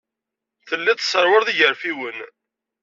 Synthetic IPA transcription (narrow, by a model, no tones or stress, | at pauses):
θəlːit̪sˤːəɾˤwəɾðiʝəɾfiwən